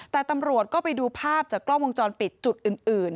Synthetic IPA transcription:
t̪ɛː˨˩t̪a˧mɾu˨˩ət̪̚kɔː˥˩pa˧jduː˧pʰaː˥˩p̚t͡ɕaː˨˩klɔ˥˩ŋwo˧ŋt͡ɕɔː˧npi˨˩t̪̚t͡ɕu˨˩t̪̚ʔɯː˨˩nʔɯː˨˩n

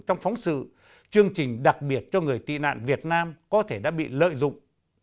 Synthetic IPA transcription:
t͡ɕɔ˧wŋ͡mfɔ˨˦wŋ͡msɨ̰˧˨ | t͡ɕɨ˧əŋt͡ɕï˨˩ŋ̟ɗa˨˩k̚ɓi˨˩ət̚t͡ɕɔ˧ŋɨ˨˩əjt̪ḭ˧˨na̰ː˧˨nvi˨˩ət̚naː˧mkɔ˨˦t̪ʰe˧˩ɗa̰ː˧˥ɓḭ˧˨lə̰ː˧˨jzʊ̰˧˨ŋ͡m

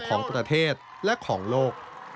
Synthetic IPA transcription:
kʰɔː˩˦ŋpɾa˧t̪ʰeː˥˩t̪̚ | lɛ˦˥kʰɔː˩˦ŋloː˥˩k̚

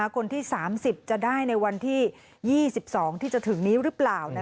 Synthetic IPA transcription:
aː˩˦kʰo˧nt̪ʰiː˥˩saː˩˦msi˨˩p̚t͡ɕa˨˩daː˥˩jna˧jwa˧nt̪ʰiː˥˩ | jiː˥˩si˨˩p̚sɔː˩˦ŋt̪ʰiː˥˩t͡ɕa˨˩t̪ʰɯ˨˩˦ŋniː˦˥ɾɯ˦˥plaː˨˩wna˦˥

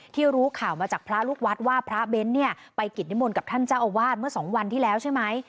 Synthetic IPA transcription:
t̪ʰiː˥˩ɾuː˦˥kʰaː˨˩wmaː˧t͡ɕaː˨˩k̚pʰɾa˦˥luː˥˩k̚wa˦˥t̪̚waː˥˩pʰɾa˦˥be˦˥nːi˥˩ɐpa˧jki˨˩t̪̚ni˦˥mo˧nka˨˩pt̪ʰa˥˩nt͡ɕa˥˩wʔa˧waː˥˩t̪̚mɯ˥˩ɐsɔː˩˦ŋwa˧nt̪ʰiː˥˩lɛː˦˥wt͡ɕʰa˥˩jma˦˥j

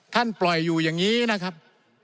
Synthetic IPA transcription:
t̪ʰa˥˩nplɔ˨˩jːuː˨˩jaː˨˩ŋiː˦˥na˦˥kʰa˦˥p̚

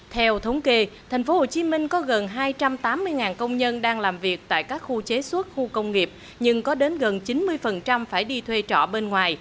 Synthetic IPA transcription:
t̪ʰɛ˧wt̪ʰə˨˦wŋ͡mke˧t̪ʰa˨˩jŋ̟fo˨˦ho˨˩t͡ɕi˨˦mï˧ŋ̟kɔ˨˦ɣə˨˩nɦaː˧jt͡ɕa˧mt̪aː˨˦mːɨ˧əjŋaː˨˩nkə˧wŋ͡mɲə˧nɗaː˧ŋlaː˨˩mvi˨˩ək̚t̪a̰ː˧˨jkaː˦˥k̚xu˧t͡ɕe˨˦swə˦˥t̚xu˧kə˧wŋ͡mŋi˨˩əp̚ | ɲɨ˧ŋkɔ˨˦ɗe˨˦nɣə˨˩nt͡ɕi˨˦nmɨ˧əjfə˨˩nt͡ɕa˧mfaː˧˩jɗi˧t̪ʰwe˧t͡ɕɔ̰˧˩˨ɓe˧nŋwaː˨˩j

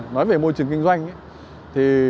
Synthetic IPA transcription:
nɔ˨˦jve˨˩mo˧jt͡ɕɨ˨˩əŋki˧ŋ̟zwa˧jŋ̟˨˦ | t̪ʰi˨˩

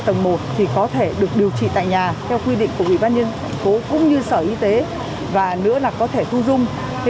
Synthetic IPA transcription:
t̪ə˨˩ŋ͡mmo˨˩t̚t̪ʰi˨˩kɔ˨˦t̪ʰe˧˩ɗɨ˨˩ək̚ɗi˨˩əwt͡ɕḭ˧˨t̪a̰ː˧˨jɲaː˨˩t̪ʰɛ˧wkwi˧ɗḭ˧˨ŋ̟ku˧˩əʔwi˧˩ɓaː˧nɲə˧n˨ŋko˨˦kʊ̰˧˥ŋ͡mɲɨ˧səː˧˩ʔi˧t̪e˨˦ | vaː˨˩nɨ̰˧˥əlaː˨˩kɔ˨˦t̪ʰe˧˩t̪ʰu˧zʊ˧ŋ͡m

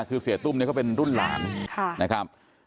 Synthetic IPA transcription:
kʰɯː˧si˩˦ɐt̪u˥˩mni˥˩kʰːpe˧nɾu˥˩nla̰ː˩˦nkʰa˥˩na˦˥kʰɾa˦˥p̚

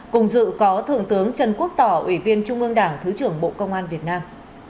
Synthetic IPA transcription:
kʊ˨˩ŋ͡mzɨ̰˧˨kɔ˨˦t̪ʰɨ̰˧˨əŋt̪ɨ˨˦əŋt͡ɕə˧˩nku˦˥ək̚t̪ɔ˧˩ʔwi˧˩vi˧ənt͡ɕʊ˧ŋ͡mʔɨ˧əŋɗaː˧˩ŋt̪ʰɨ˨˦t͡ɕɨ˧˩əŋɓo̰˧˨kə˧wŋ͡mʔaː˧nvi˨˩ət̚naː˧m

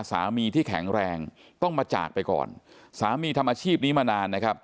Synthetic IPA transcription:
sa̰ː˩˦miː˧t̪ʰiː˥˩kʰɛ̰˩˦ŋɾɛː˧ŋ | t̪ɔ˥˩ŋmaː˧t͡ɕa̰ː˨˩k̚pa˧jkɔ̰ː˨˩nsaː˩˦miː˧t̪ʰa˧mːaː˧t͡ɕʰiː˥˩p̚niː˦˥maː˧naː˧nːa˦˥kʰɾa˦˥p̚

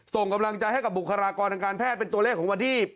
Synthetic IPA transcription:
so˨˩ŋka˧mla˧ŋt͡ɕa˧jɦa˥˩jka˨˩p̚bu˨˩kʰːaː˧ɾaː˧kɔː˧nt̪ʰa˧ŋkaː˧npʰɛː˥˩t̪̚pe˧nt̪u˧le˥˩kʰːɔː˩˦wa˧nt̪ʰiː˥˩

